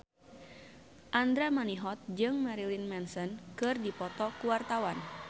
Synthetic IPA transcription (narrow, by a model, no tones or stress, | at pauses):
ʔand̪ɾamaniɦɔt̪̚d͡ʒɨŋmaɾilinmɛnsɔnkɨrdipɔt̪ɔkuwart̪awan